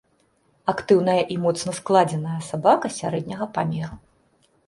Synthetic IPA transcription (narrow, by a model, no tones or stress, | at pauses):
akt̪ɨwnɐjɐʔimɔt̪sn̪ɐsklˠad͡zʲɛnɐjɐsabakɐsʲaɾɛd̪̚ʲnʲɐɣɐpamʲɛɾu